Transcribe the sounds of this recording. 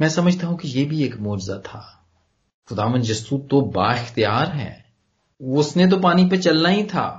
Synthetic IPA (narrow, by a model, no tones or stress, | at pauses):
mɛ̃ːsɐməd͡ʒʱt̪aɦũkijebʱieːkmoːd͡ʒɪzat̪ʰaː | xʊd̪aːʋənd̪d͡ʒɐst̪uːt̪ːoba̰ːɪxt̪ijaːɾɦɛ̰̃ː | ʊsnet̪̬opaːnip̬et͡ʃɐlnaɦĩt̪ʰa̰ː